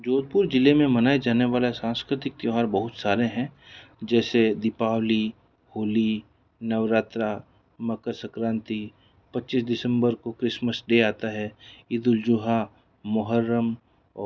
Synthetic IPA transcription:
d͡ʒoːd̪̚pʊɾd͡ʒɪlemẽmɐnaːed͡ʒaːneʋaːlesãːnskɾɪt̪ɪk̚t̪joɦaːɾbɐɦʊt̪saːɾeɦɛ̃d͡ʒɛːsed̪ɪpaːwli | hoːli | nɐʋɾaːt̪ɾa | mɐkəɾsəkɾãːnt̪i | pɐtːt͡ʃːisd̪ɪsə̃mbəɾkokɾɪsməsɖeaːt̪aɦɛɪd̪ʊld͡ʒʊɦa | mʊɦəɾːəm | ɔ

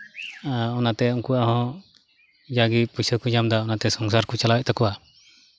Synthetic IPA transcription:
ɔnat̪ɛuŋkuaɦɔ̃ | d͡ʒaɡipusəd̪̚kud͡ʒamd̪aɔnat̪ɛsɔŋsaɾkut͡ʃalawɛʔ̚t̪ʰakɔwa

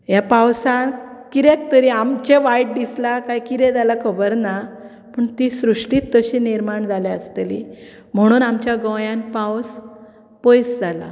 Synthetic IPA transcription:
japawsãkiɾek̚t̪əɾiamt͡ɕeʋajʈ̚d̪islakajkiɾɛ̃d͡zalakʰəbəɾna | pəɳt̪isɾuʂʈiːt̪ːəɕiniɾmaɳd͡zʱalaəst̪elḭ | m̤əɽ̃uːnamt͡ɕjaɡɔ̃jãnpaws | pojsd͡zʱala̰

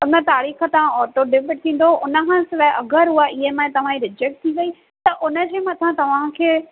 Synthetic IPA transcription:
ʊnət̪aːɾiːxət̪ɐʋ̤ãɔːʈoɖɪpɪʈ̚t̪ʰĩːn̆d̪oʔʊnəkʰãːsɪʋəʔɐɡəɾɦuaːɪɦemãt̪ɐʋ̤ãĩɾɪd͡ʑek̚ʈ̚t̪ʰĩʋɐi | t̪ɐʔʊnə̆d͡ʑeːmɐt̪ʰãt̪ɐʋ̤ãkʰeː

